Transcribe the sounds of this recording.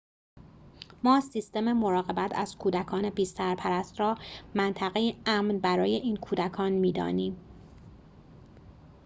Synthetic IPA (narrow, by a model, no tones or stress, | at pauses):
mɒːsist̪e̞memoɾɒːɣe̞bæt̪ʰæ̰z̥kʰuːd̪ækʰɒːne̞biːsæɾpʰæɾæst̪ɾɒːmænt̪ʰæɣejeæːmnbæɾɒːje̞ʔiːnkʰuːd̪ækʰɒːnmiːd̪ɒ̰ːniːm